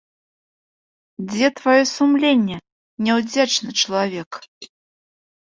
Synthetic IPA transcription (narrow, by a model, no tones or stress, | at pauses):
d͡zʲɛt̪vajɔsumlʲenʲːɛ | nʲɛwd͡zʲat͡ʂnɨt͡ʂɐlˠavʲɛk